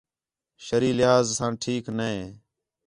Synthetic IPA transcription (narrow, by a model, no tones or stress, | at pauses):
ʃəɾiːlɪjaːzsãːʈʰiːknəẽː